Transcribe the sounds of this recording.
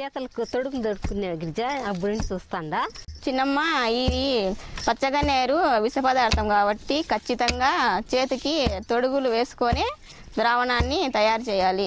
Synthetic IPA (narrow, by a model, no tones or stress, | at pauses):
t͡ʃɛːt̪ɐlɐkut̪oɽuɡulud̪ɐɾt̪ukunːeɡiɾd͡ʒaɐbunɳʈit͡ʃuːst̪aːɳɖaːt͡ʃinːɐmːɐiː | pɐt͡ʃːɐɡɐneːɾuʋisɐpɐd̪aːɾt̪ɐmkaːbɐʈːikɐt͡ʃːit̪ɐŋɡaːt͡ʃe̞ːt̪ukit̪o̞ɽuɡuluʋe̞ːsu̥koːne̞ː | d̪ɾaːʋɐnaːnːit̪ɐjaːɾut͡ʃɛːjaːli